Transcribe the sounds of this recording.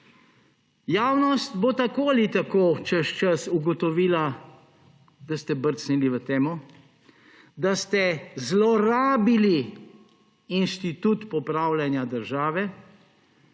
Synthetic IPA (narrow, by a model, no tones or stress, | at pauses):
jaːwnɔst̪bot̪akoːlit̪akoːt͡ʃəʃt͡ʃəsuɡɔt̪ɔʋiːla | d̪ast̪ɛbəɾt̪sniliʋət̪eːmɔ | d̪ast̪ɛzlɔɾaːbili | inʃt̪it̪ut̪pɔpɾawljanjad̪əɾʒaːʋɛ